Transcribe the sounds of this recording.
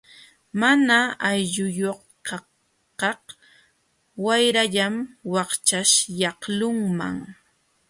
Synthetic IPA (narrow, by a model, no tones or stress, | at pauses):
manaajʎʊjoχ | kɑ | kɑh | wajɾaʎamwɑχt͡ʃaʃjɑχlʊŋma̰ŋ